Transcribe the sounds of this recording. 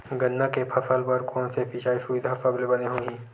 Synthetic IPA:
ɡɐnːakepʰɐsəlpɐɾkõːnsefʰɪʃaːiʃuid̪ʱasablebɐneɦõːɡĩː

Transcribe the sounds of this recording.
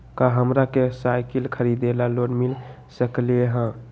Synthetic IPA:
kaɦəmɾakesajkilkʰəɾid̪elalonmil | səklieɦə̃

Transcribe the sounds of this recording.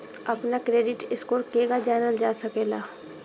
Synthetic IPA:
ɐpnakɾeːɖɪʈɪskoːɾkeːɡad͡ʒaːnəld͡ʒaːsɐkeːlaː

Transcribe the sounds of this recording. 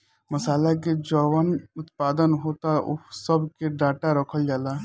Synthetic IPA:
məsaːlak̬ed͡ʒɔːʋənʊt̪paːd̪ənɦoːt̪aʊ̰səbkeɖaːʈaɾəkʰəld͡ʒaːla

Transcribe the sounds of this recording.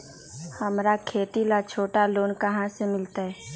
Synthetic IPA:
hɐmɾakʰeːt̪ilat͡ʃʰoːʈaloːnkɐɦãsemɪlt̪aɦɛː

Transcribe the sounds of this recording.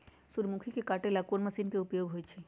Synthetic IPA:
suɾmukʰikekaːʈelakonməsinkeʊpjoːɡɦoːjt͡ʃʰe

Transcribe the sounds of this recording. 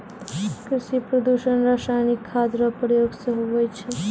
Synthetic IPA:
kɾiʃipɾɔd̪uʃənɾaːʃajnikʰːad̪ɾəpɾəjoɡsəɦoʋəjt͡ʃʰe

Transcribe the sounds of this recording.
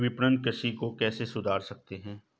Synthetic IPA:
ʋɪpɾənkəʃikokɛːsesʊd̪ʱaːɾsɐk̚t̪eɦɛ̃ː

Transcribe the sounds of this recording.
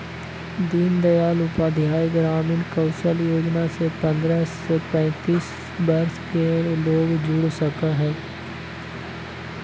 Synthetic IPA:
d̪iːnd̪ɐjaːlʊpaːd̪ʱjaːiɡɾaːmɪnkɐʊʃəljoːd͡ʒnasepɐ̃nd̪ɾəsepɛ̃ːt̪iːs | bɐɾskeloːɡd͡ʒʊɽsɐkaɦɛː

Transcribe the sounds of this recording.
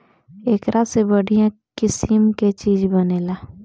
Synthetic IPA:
eːkɾasebəɽijãkɪsimket͡ʃiːd͡ʒbəneːlaː

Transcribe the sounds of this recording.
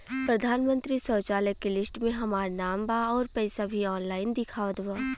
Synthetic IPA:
pɾɐd̪ʱaːnmə̃nt̪ɾisɔːt͡ʃaːləkːelɪsʈmẽɦɐmaːɾnaːmbaɔːɾpɛːsabʱiɔːnlaːɪnd̪ɪkʰaːʋəd̪baː

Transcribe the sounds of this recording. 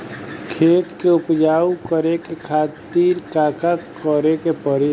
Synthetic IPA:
kʰeːt̪keʊpd͡ʒaːukəɾekekʰaːt̪iːɾkaːkakəɾekepəɾe

